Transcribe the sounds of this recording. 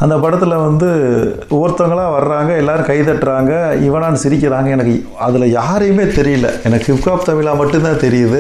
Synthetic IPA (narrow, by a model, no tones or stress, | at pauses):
ɐnd̪ɐpɐɽɐt̪ːɪlɐʋɐnd̪ɯ | ʊʋɐɾt̪ːɐŋɡɐɭãːʋɐɾɐɾaːŋɡɐɛlːaːɾɯ̃kɐɪt̪ɐʈːɾaːŋɡɐɪʋɐnaːnɯsɪɾɪk̬ʲːɪɾaːŋɡɐɛnɐk̬ːɯ | ɐðɪlɐjaːɾɯjɯmeːt̪ɛɾɪjɪlːɐ̰ɛnɐkːɯɪpkaːpt̪ɐmɪɭaːmɐʈːɯnt̪ãːt̪ɛɾɪjɐðɯ